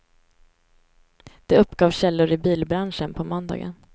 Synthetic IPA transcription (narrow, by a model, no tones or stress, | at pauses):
d̪̥ɛɵpːɡɑːvɕɛlːʊɾɪbiːlbɾanʂənpʰɔmɔnd̪ɑ̰ːɡə̰n